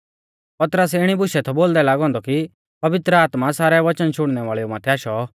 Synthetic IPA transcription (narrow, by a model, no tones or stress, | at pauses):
pɐt̪ɾəsɪɽ̃ibʊʃɛt̪ʰɔboːld̪ɛlaːɡɦɔ̃ːnd̪ɔki | pɐʋɪt̪ɾəaːt̪masaːɾɛʋɐt͡ʃənt͡ʃʰʊɽ̃nɛʋaːɭɛjɔmaːt̪ʰɛaːʃɔ